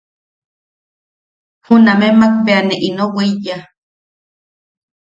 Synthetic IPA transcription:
hunamemak̚peaneʔinoweija

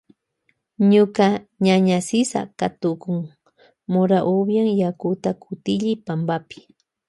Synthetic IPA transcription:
ɲʊkaɲaɲasɪsa̰kat̪ʊkʊŋ | moɾaʔobjaŋjakʊt̪akʰʊt̪ɪʎɪpambapɪ̥

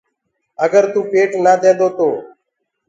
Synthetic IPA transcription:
əɡəɾt̪uːpeːʈnaːd̪ʱẽːnd̪oːt̪oː

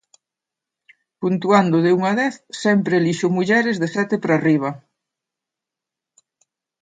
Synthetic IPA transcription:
punt̪uand̪ʊðɪuŋaðɛθsɛmpɾeliʃʊmuʎɛɾɪzðesɛt̪ɪpɾariβɐ

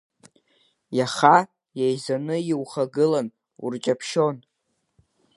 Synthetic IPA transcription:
jaχa | jajzanɨjiwχaɡɨlan | ṵrt͡ʃʼapʰʃo̞n

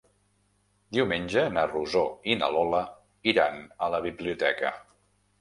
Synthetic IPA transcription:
d̪iwmenʲd͡ʒənəruzoinə̰lɔlə | iɾanələβiβliut̪ɛkə̰

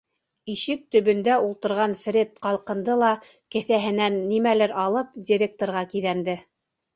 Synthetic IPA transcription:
iʃɘk̚t̪ɵ̆βɵ̆nd̪æulˠt̪ɤ̆ɾʁɑnfɾʲet̪̚qɑlˠqɤ̆nd̪ɤlˠɑ | kɘ̆θæɦɘ̆nænːimælɘɾɑlˠɤpdʲiɾʲek̚t̪oɾʁɑkiðænd̪ɘ

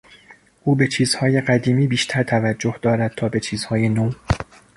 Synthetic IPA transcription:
ʔuːbe̞t͡ʃʰiːz̥hɒːje̞ɢæd̪iːmiːbiːʃt̪ʰæɾt̪ʰævæd͡ʒːohd̪ɒːɾæd̪̥̚t̪ʰɒːbe̞t͡ʃʰiːzhɒːjenoːm

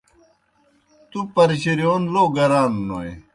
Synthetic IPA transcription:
t̪upɐɾiɕiɾijoːnloːɡɐɾaːnːoḛ

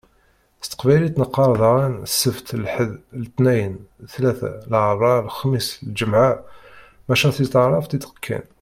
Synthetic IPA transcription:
st̪ə̥qbælit̪nəqːɑɾˤðˤɑʁinsːəft̪lħəðlt̪næjənθlæθæ̰lʕrˤɑlxmisld͡ʒəmʕa | mæʃæθit̪ʕrˤɑft̪it̪ə̥qkʰːæ̰n

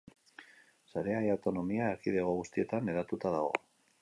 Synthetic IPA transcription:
saɾe̞ajawt̪o̞no̞miaekiðeɣ̞oɣust̪ie̞t̪aneðat̪ut̪aðaɣ̞o̞̰

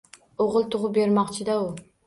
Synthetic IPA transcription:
oʁɨlˠt̪ʰʊʁʊp̚beɾmɑqt͡ʃʰɪd̪aʊ

